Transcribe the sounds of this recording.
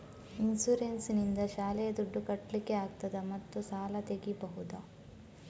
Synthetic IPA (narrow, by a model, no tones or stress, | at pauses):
insuɾensnind̪ɐʃaːlɛjɐd̪uɖːukɐʈlike̞aːɡ̚t̪ɐd̪ɐmɐt̪ːusaːlɐt̪eɡibɐɦud̪ɐ